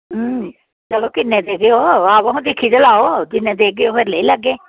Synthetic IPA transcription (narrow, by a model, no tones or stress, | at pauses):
t͡ʃəloːkɪnːẽːd̪eːɡeoːaːʋaɦũd̪ɪkʰːit͡ʃəlaːoːd̪ɪnːẽːd̪eːɡejoːpʰɪɾləiːləɡːeː